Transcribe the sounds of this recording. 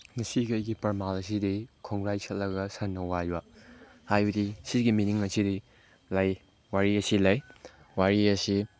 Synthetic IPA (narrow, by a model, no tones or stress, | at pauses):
nɐsikɐjɡipɐɾmalɐsidikʰoŋɾajsʰɐt̚lɐɡɐsɐnːɐwajwa | hajbɐdisiɡiminiŋɐsidi | lɐj | waɾiɐsilɐj | waɾiɐsi